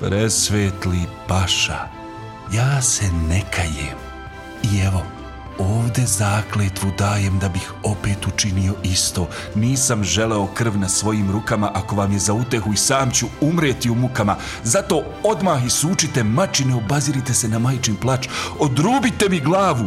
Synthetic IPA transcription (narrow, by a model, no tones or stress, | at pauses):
pɾesʋeːt̪lipaʃa̰ | jaːsenekʰajḛːm | ieʋo̞ | oːʋd̪e̞zaːkleːt̪ʋud̪aːje̞md̪abixo̞pe̞ːt̪ut͡ʃinio̞ʔist̪o̞ː | niːsamʒe̞le̞o̞kr̩ʋnasʋo̞jiːmɾukamaʔako̞ʋamje̞zaut̪e̞xuisaːmt͡ɕuumɾeːt̪iumukama | zat̪o̞ː | o̞d̪maːxisuːt͡ʃit̪e̞mat͡ʃineobaziɾit̪e̞se̞namajt͡ʃimplˠat͡ʃod̪ɾuːbit̪e̞miɡlˠaːʋu